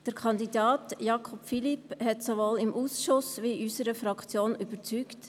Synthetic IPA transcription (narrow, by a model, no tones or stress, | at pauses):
d̥əɾkʰɑndidɑːtjɑkʰɔpfiliphɛtsoʋolɪmʔuːsʃʊsʋiʔysəɾəfɾɑkt͡sjoːnyb̥əɾt͡sykt